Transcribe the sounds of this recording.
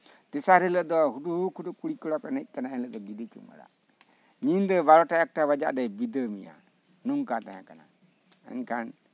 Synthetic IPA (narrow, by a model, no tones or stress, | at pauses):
t̪isaɾɛləd̪ɔɦuduukʰudukuɽikɔɽɔkɔnət̪̚ˀkanaɛnləʔd̪ɔɡidit͡ʃṵma̰ɽa̰ | ɲind̪əbalɔʈaɛk̚ʈaβad͡ʒa̰ʔdajbid̪əmija̰ | nuŋkat̪aɦã̰kana | ɛ̰ŋkʰan